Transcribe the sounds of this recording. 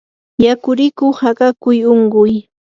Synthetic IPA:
jakʊɾɪkʊhaɢakʊjoɴɢʊj

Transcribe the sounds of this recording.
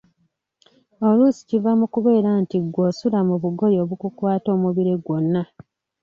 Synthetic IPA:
o̞lusi̥civamukuβe̞ːɾantiɡːo̞sulamuβuɡo̞jo̞ːβukukwaːto̞ːmuβiɾeɡwo̞nːa

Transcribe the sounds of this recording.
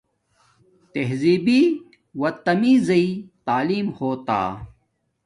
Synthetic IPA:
t̪eɦziːbiː | wɐt̪ɐmiːzɐit̪aːliːmhoːt̪a̰ː

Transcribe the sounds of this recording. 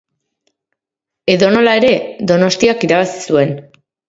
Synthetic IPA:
e̞ðo̞no̞lae̞ɾe̞ðo̞no̞st̪iakiɾaβ̞asi̥sue̞n

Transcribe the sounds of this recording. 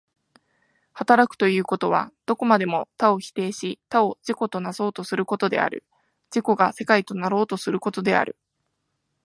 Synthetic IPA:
hat̪aɾakɯ̥t̪o̞jɯ̟ːko̞t̪o̞β̞a̰d̪̥o̞ko̞mad̪e̞mo̞t̪ao̞çi̥t̪e̞ːɕit̪ao̞d͡ʑiko̞t̪o̞naso̞ːt̪o̞sɨɾɯ̟ko̞t̪o̞d̪e̞̰a̰ɾɯ̟̰ | d͡ʑiko̞ɡase̞kait̪o̞naɾo̞ːt̪o̞sɨɾɯ̟ko̞t̪o̞d̪e̞a̰ɾɯ̟

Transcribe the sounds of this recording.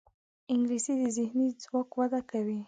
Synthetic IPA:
ɪŋɡlisid̪əzɪhnid͡zwɑkwad̪akawi

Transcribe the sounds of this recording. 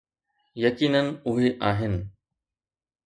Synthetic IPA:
jɐkiːnənɪ̆ʊɦeʔaːɦɪnɪ̆

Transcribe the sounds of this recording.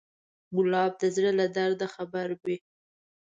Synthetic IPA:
bʊlɑb̚d̪əzɽəlad̪aɾd̪axabaɾbi

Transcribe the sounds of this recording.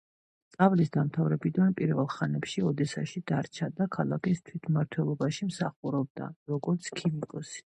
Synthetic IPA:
st̪sʼavlisd̪amt̪ʰavɾɛbid̪anpʼiɾvɛlˠχanɛpʃiɔd̪ɛsa̰ʃid̪aɾt͡ʃʰad̪akʰalˠa̰kist̪ʰwit̪ʰmaɾt̪ʰwɛlˠɔbaʃimsaχuɾɔb̚d̪a̰ɾɔɡɔɾt̪sʰkʰivikʼɔsi̥

